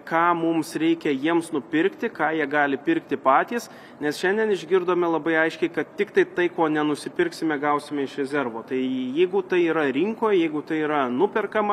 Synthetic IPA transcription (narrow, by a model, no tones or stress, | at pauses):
kɑːmʊmsɾʲɛɪkʲɛjiɛmsnʊpʲɪɾʲkt̪ʲɪkɑːjiɛɡɑːlʲɪpʲɪɾkt̪ʲɪpɑːt̪ʲiːs | nʲɛsʃʲɛnʲd̪ʲiɛnɪʒʲɡʲɪɾd̪oːmʲɛlˠɐbɐɪɐɪʃʲkʲɛɪkɐt̪t̪ʲɪkt̪ɐɪt̪ɐɪkoːnʲɛnʊsʲɪpʲɪrʲksʲɪmʲɛɡɐʊsʲɪmʲɛɪʃɾʲɛzʲɛɾʋoːt̪ɐɪjɛɪɡʊt̪ɐɪiːɾɐɾʲɪŋkoːjjɛɪɡʊt̪ɐɪiːɾɐnʊpʲɛrkɐmɐ